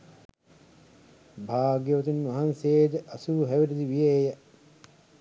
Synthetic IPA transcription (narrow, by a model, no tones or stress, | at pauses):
bʱaːɡjɐʋt̪unʋɐɦanseːd̪əʔɐsuːɦæʋiɾid̪iʋijeːjə